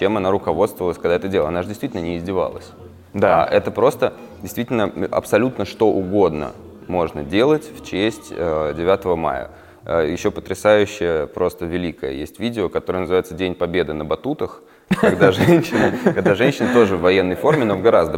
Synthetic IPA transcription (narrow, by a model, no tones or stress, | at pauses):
t͡ɕemɐnaɾʊkɐvo̞t̪st̪vəlˠəsʲkɐɡd̪aɛt̪ədʲelˠɐnaʐɨdʲɪst̪vitʲlʲnənʲɪɪzʲdʲɪva̰lˠə̰sʲ | d̪aɛt̪əpɾo̞st̪ə | dʲɪst̪vitʲɪlʲnəʔɐ̰psɐlʲut̪nəʂt̪o̞ʔʊɡo̞d̪nə̰ | mo̞ʐnə̰dʲe̞lˠətʲft͡ɕesʲtʲədʲɪvʲat̪əvəma̰jə̰ | əjɪɕːo̞pət̪ɾʲɪsajʉɕːɪjəpɾo̞st̪əvʲɪlʲikəjə̰jḛsʲtʲvʲidʲɪokɐt̪o̞ɾəjənzɨvajɪt̪sədʲenʲpɐbʲed̪ɨnəbɐt̪ut̪əx | kɐɡd̪aʐɛnʲɕːɪnəkɐɡ̚d̪aʐɛnʲɕːɪnət̪o̞ʐɨvːɐjenːəjfo̞rmʲɪno̞vɡɐɾazd̪ə